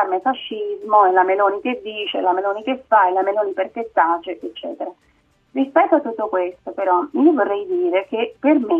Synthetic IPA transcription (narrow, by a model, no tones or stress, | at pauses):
armefaʃːizmoɛlameloːniked̪ːiːt͡ʃelameloːnikefaelameloːniperkesːat͡ʃːeʔet͡ʃːɛ̰ːt̪eɾa | rispɛt̪ːoat̪ːut̪ːokwest̪opeɾɔiːovorːɛjd̪iːɾekeperme